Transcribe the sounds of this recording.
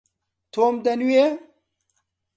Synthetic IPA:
t̪ʰoːmd̪ɐnuje

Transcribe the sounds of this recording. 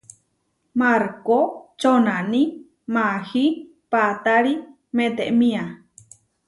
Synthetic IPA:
maɾkot͡ʃonanĩ | mahi | pat̪aɾi | mẽt̪eʔmĩa

